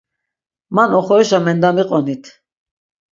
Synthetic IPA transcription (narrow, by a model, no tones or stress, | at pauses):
manɔχɔɾɛʃamɛnd̪amiqʼɔnit̪ʰ